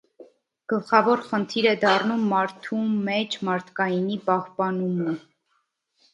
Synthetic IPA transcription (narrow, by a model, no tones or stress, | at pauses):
ɡ̥əlχɑvɔɾχənt̪ʰiɾɛd̪ɑrnumːɑɾt̪ʰumɛt͡ʃʰmɑɾt̪ʰkɑjinipɑhpɑnumə